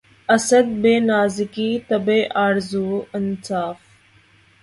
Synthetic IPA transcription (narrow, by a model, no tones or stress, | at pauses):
ɐsəd̪̚beːnaːzɪkiːt̪ɐbeːʔaːɾzuːɐnsaːf